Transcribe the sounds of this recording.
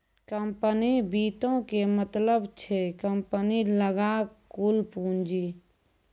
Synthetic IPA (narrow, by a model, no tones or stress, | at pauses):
kəmpənibiːt̪õkemət̪ləbt͡ʃʰekəmpəniləɡakuːlpũːnd͡ʒi